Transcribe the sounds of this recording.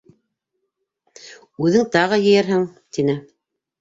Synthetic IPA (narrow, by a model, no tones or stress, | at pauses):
ʉðɘŋt̪ɑʁɤjɘ̆jæɾɦɘŋt̪inɘ